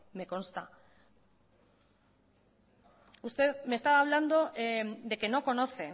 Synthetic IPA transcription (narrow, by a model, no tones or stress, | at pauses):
me̞ko̞nst̪a | ust̪e̞ðmest̪aβaːβ̞land̪o̞ʔed̪e̞ke̞no̞ko̞no̞θe̞